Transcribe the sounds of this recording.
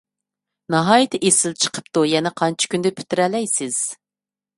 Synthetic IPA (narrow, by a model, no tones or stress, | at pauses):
nɑɦɑːjit̪ʰɪʔesɪlt͡ʃʰə̥qʰə̥pt̪ujɛnɛqʰɑnt͡ʃʰi̥kʲynd̪ɪpʰy̥t̪ɪɾɛlɛjsɪz̥